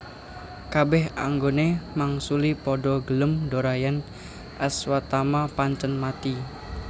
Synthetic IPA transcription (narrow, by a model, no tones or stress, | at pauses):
kabɛɦa̰ŋɡonemaŋsulipɔɖɔɡələmdoɾajan | ʔaswat̪amapaɲt͡ʃənmat̪i